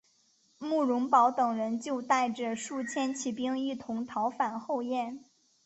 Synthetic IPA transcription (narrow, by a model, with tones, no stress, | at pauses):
mu˥˩ɻʊ˧˥ŋpɑ˧˥ʊt̪ɤ˨˩ŋɻə˧˥nt͡ɕjo˥˧ʊt̪a˥˩ɪʈ͡ʂə˩ʂu˥˩t͡ɕʰjɛ˥nt͡ɕʰi˧˥pi˥ŋi˥˩t̪ʰʊ˧˥ŋt̪ʰɑ˧˥ʊfa˨˩nxo˥˧ʊjɛ˥˩n